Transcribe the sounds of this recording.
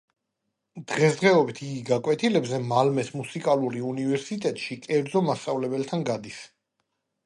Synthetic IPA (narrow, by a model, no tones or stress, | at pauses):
d̪̥ʁɛsd̪ʁɛɔbit̪ʰiɡiɡakʼwɛt̪ʰilɛbzɛmalmɛsmusikʼaluɾiunivɛɾsit̪ʼɛt̪ʼʃikʼɛɾd̪zɔmast̪sʼavlɛbɛlt̪ʰanɡad̪is